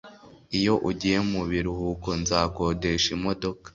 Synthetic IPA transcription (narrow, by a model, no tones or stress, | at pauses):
ijo̞ʔuɟije̞muβiɾuhuko̞nzaːko̞ːde̞ʃimo̞do̞kḁ